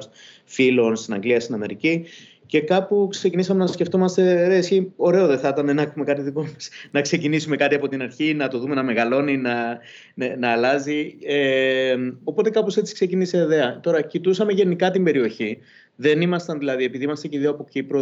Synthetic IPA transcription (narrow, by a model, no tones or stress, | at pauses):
s | filo̞nst̪inɐ̰ŋɡliɐst̪inɐme̞ɾici | ce̞kɐpuksecinisɐme̞nɐsce̞ft̪o̞mɐst̪e̞ðesçio̞ɾe̞o̞ðe̞θɐt̪ɐnenɐkxume̞kɐt̪iðiko̞mɐsnɐkse̞cinisume̞kɐt̪iɐpo̞t̪inɐɾçinɐt̪o̞ðume̞nɐme̞ɣɐlo̞ninɐ | nenɐːlɐzie | o̞po̞t̪e̞kɐposet͡si̥kse̞ciniseːiðe̞ɐt̪o̞ɾɐcit̪usɐme̞ʝenikɐt̪imbe̞ɾio̞çi | ðe̞nimɐst̪ɐnðilɐðie̞piðimɐst̪ɐceiðioɐpo̞cipɾo